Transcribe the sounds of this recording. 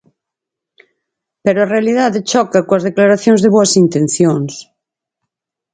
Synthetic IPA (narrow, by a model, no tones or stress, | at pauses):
peɾoarealiðaðet͡ʃɔkɐkoɐzðeklaɾaθjõŋzðeβoɐsint̪ẽn̟θjoŋs